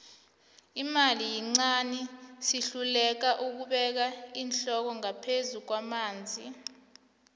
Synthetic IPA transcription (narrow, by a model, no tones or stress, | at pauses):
imalijiŋ͡ǀanisiɬulɛk̬aʔuk̬uɓɛk̬aiːnɬɔk̬ɔŋapʰezuk̬wamaːnd͡zʱi